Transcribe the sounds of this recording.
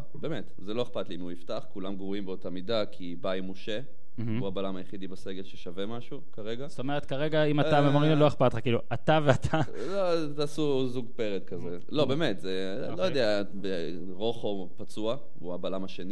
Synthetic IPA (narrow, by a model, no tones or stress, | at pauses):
beːmetzelo̞e̞χpat̪liimuiftaχkulamɡʁuimbeo̞tamidakʰibajmoʃe | m̩huabalamajeχid̪ibase̞ɡe̞lʃeʃave̞maʃukaʁeɡast̪o̞me̞ʁet̪kaʁe̞ɡaimaamemoʁinloe̞χpat̪χakiːluʔat̪aveat̪ʰa | lo | t̪aːsu | zuɡpe̞ʁet̪kaze | lo̞beːmetze | lojod̪ea | be | ʁo̞χo̞ | pat͡sua | uabalamaʃe̞ni